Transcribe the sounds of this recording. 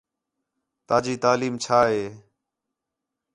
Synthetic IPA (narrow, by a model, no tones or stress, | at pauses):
t̪aːd͡ʒiːt̪aːliːmt͡ʃʰaːɦeː